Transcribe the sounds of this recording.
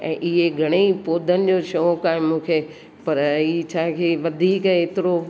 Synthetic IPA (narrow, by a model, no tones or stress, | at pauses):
ɛ̰̃ːʔɪɦeɡʱɐɽ̃epoːd̪ʱənɪ̆d͡ʑoʃokaːɦemũːkʰe | pɐɾit͡ɕʰãːkʰeːʋɐd̪ʱiːkeːt̪ɪɾo